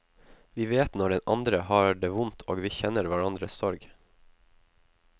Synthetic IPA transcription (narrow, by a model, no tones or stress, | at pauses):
ʋiːʋeːt̪nɔɖɛnʔɑnd̪ɾəhɑːɖeːʋʊnt̪ʰoːɡʋiːçɛnəɾʋæɾɑnd̪ɾəsɔɾɡ